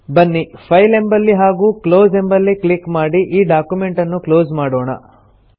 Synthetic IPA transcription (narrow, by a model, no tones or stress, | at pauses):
bɐnːipʰɐjle̞mbɐlːiɦaːɡuːkloːze̞mbɐlːiklikmaːɽiʔiːɖaːkjume̞ɳʈɐnːukloːzmaːɽoːɳɐ̰